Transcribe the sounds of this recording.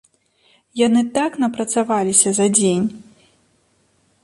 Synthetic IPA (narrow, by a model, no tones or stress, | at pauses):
janɨt̪aknɐpɾɐt̪savalʲisʲɐzɐd͡zʲenʲ